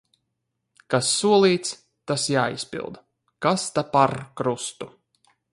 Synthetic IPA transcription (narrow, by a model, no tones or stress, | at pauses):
kasːuɔlˠiːt̪s | t̪asjaːḭspḭlˠd̪ | kast̪apaɾkɾust̪u̥